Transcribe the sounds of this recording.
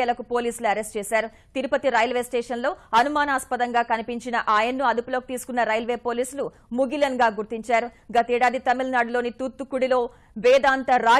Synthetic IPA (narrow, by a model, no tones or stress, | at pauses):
ɛlɐkupo̞ːliːsuluɐɾesʈt͡ʃɛːsaːɾu | t̪iɾupɐt̪iɾɐːjɐlʋeːsʈeːʂɐnlo̞ːɐnumaːnaːspɐd̪ɐŋɡaːkɐnipiɲt͡ʃinɐʔaːjɐnːuɐd̪upuloːki̥t̪iːsu̥kunːɐɾɐjɐlʋe̞ːpo̞ːliːsulu | muɡilɐnɡaːɡuɾt̪iɲt͡ʃaːɾu | ɡɐt̪ɛːɽaːd̪it̪ɐmilnaːɖulo̞ːnit̪ut̪ːukuɽilo̞ː | ʋɛːd̪aːnt̪ɐɾaː